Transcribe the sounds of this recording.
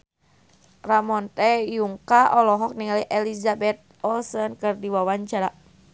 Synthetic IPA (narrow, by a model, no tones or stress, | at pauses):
ramɔnt̪ɛjuŋkaʔɔlɔɦɔk̚niŋaliʔɛlizabɛt̪̚ɔlsənkɨrdiwawaɲt͡ʃaɾa